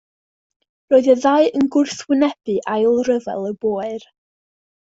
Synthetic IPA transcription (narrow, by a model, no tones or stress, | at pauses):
roːɨðəðaɨənɡʊrθwɪnɛb̥ɨʔajlˠrəvɛ̰lˠəb̥oːɨr